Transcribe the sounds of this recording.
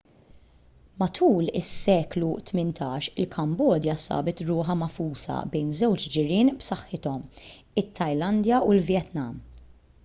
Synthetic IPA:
mɐt̪ʰuːlɪsːɛːklut̪mɪnt̪ʰɐːʃɪlkʰɐmbɔːd̪jɐsɐ̰ːbɪt̪ɾʊːħɐmɐfuːsɐ̰bɛjnzɛwt͡ʃd͡ʒɪɾɪːnbsɐħːɪt̪ɔm | ɪt̪ʰːɐjlɐnd̪jɐulvjɛt̪nɐ̰m

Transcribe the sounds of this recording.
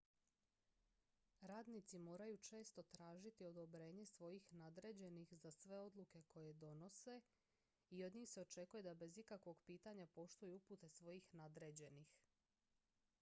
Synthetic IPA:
ɾaːd̪nit̪simo̞ːɾajut͡ʃe̞ːst̪o̞t̪ɾaːʒit̪io̞d̪o̞bɾe̞ːɲe̞sʋo̞jixnad̪ɾe̞d͡ʑe̞nixzasʋe̞o̞d̪lˠuke̞ko̞je̞d̪o̞no̞se̞ | io̞d̪ɲiːxse̞o̞t͡ʃe̞kuje̞d̪abe̞zikakʋo̞ɡpiːt̪aɲapo̞ʃt̪ujuuput̪e̞sʋo̞jixnad̪ɾe̞d͡ʑe̞nix

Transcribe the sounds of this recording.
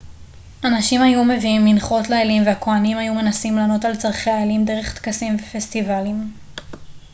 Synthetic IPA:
ʔanaʃimajume̞viimːinχo̞tlaelimveakoanimajume̞nasimlano̞talt͡saʁχeaelimde̞ʁeχt̪kasimvefestivalim

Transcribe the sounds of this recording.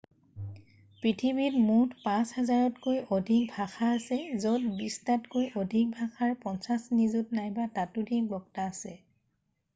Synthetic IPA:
pɹitʰibitmutʰpãshɛzaɹɔtkojʔodʱik̚bʱaxaːsɛzotbistatkojʔodʱik̚bʱaxaɹpɔnsasnizutnajbatatudʱik̚bɔktaːsɛ

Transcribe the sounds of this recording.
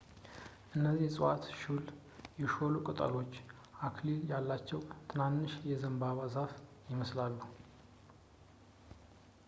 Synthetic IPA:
ʔɨnːəzihsʼat̪ʃul | jɛʃolukʼɨt̪ʼə̰ɾo̞t͡ʃː | ʔakʰliljalːat͡ʃːɛwt̪ʰɨnanːɨʃjɛzəmbaβazaf | jɪməslalːuh

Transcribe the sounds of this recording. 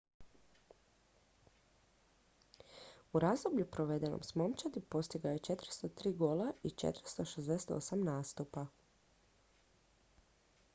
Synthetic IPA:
uɾazd̪obʎupɾoʋe̞d̪eno̰msmo̞mt͡ʃad̪ipo̞st̪iɡajot͡ʃe̞t̪ɾ̩st̪ot̪ɾiːɡolait͡ʃḛt̪ɾ̩st̪oʃezd̪ese̥t̪o̰samnaːst̪upa

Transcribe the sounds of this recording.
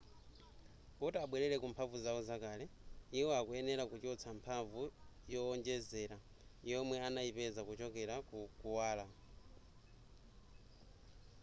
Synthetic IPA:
kɔtaɓwɛɾɛɾɛkumpʰaɱvuzaɔzakaːlɛiwɔakuɛnɛɾakut͡ʃɔt͡sʰampʰaɱvujɔːnd͡ʒɛzɛɾa | jɔmwɛanajipɛzakut͡ʃɔkɛɾakukuwaːla

